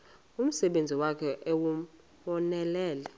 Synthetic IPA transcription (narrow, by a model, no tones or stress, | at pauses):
um̩sɛɓend͡zʱiwakʰɛʔɛwu | ɓɔnɛlɛːlɛ